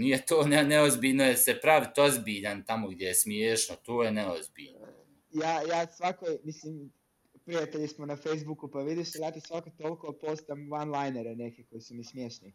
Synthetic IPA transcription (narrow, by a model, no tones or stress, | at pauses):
nijet̪oːneneozbiːʎnojesepɾaʋit̪o̞zbiːʎant̪amo̞ɡd̪jejesmjeːʃnot̪oːjeneozbḭːʎn | jaːjaːsʋakojmisliːm | pɾijat̪eʎismonafejzbukupaʋid̪iselat̪isʋakot̪olˠkopost̪amʋanlˠajneɾenekeko̞jisumismjeʃni